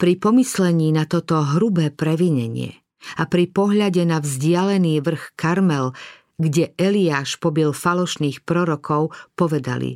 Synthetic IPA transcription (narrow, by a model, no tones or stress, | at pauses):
pɾipɔmislɛɲiːnat̪ɔt̪ɔɦɾubɛːpɾɛʋiɲɛɲɪɛ̰ | apɾipɔɦʎaɟɛnavzɟɪalɛniːʋr̩xkaɾmɛl | ɡɟɛʔɛliaːʃpɔbilfalɔʃniːxpɾɔɾɔkʰɔʊpɔʋɛd̪a̰lḭ